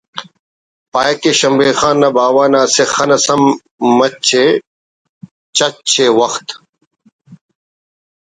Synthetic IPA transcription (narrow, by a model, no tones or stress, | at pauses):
paːjɐkeɕɐmbeːxaːnːɐbaːwaːnɐːsexɐnɐsɐmː | ɐt͡ɕʰe | t͡ɕɐt͡ɕʰeːwɐxt̪